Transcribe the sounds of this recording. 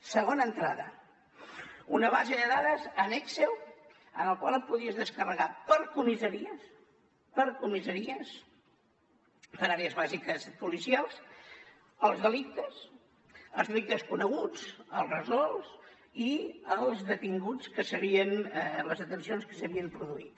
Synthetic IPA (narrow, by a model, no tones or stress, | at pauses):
səɣonənt̪ɾa̰ðə̰ | unəβ̞azeðəðaðəzənɛksew | ənəlˠkwalˠəpuðiəzðəskərəɣapəɾkumizəɾiəs | pəɾkumizəɾiəs | pəɾaɾeəzβazikəspulisialˠs | əlˠzðəlik̚t̪əs | əlˠzrik̚t̪əskunəɣut͡səlˠzrəzɔlˠs | iəlˠzðət̪iŋɡut͡skəsəβiənləzət̪ənsionskə̥səβiəmpɾuðuit̪